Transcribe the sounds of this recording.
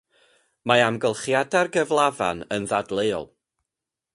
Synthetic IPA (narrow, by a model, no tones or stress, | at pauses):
maamɡəlˠχjadarɡəvlˠava̰nənðadlˠeːɔ̰lˠ